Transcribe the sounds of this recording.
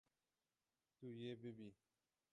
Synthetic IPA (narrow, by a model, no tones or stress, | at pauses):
tujebebi